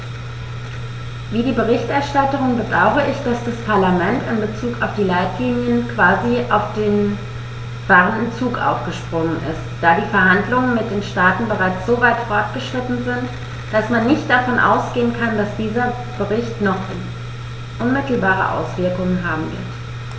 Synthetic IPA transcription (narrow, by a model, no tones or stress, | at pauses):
viːdiːbəʁɪçtɛɐʃtatəʁ̞ʊŋbədaʊχəʔɪçd̥asd̥aspʰaɐlamɛntɪnbət͡suːkaʊfd̥iːlaɪtliːnjənkv̥aːziʔaʊfd̥eːn | v̥aːʁəndn̩t͡suːkʔa̰ʊfɡ̥əʃpʁ̥ʊŋənʔɪ̰std̥aːdiːfɛɐɦandlʊŋənmɪt̚d̥eːnʃtaːtn̩bəʁaɪt͡sz̥oːvaɪtfɔɐt̚ɡ̥əʃʁ̥ɪtn̩zɪnt | d̥asmanːɪçtd̥afɔnʔa̰ʊsɡ̥eːənkʰandasd̥iːzɐ | b̥əʁɪçtnɔχ | n | ʔʊnmɪtl̩baːʁ̞ə̰ʔa̰ʊsv̥ɪɐkʊŋənɦaːbm̩vɪ̰ɐt